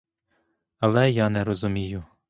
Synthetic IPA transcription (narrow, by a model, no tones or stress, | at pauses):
ɐlˠɛjɑːnɛɾɔzumʲijʊ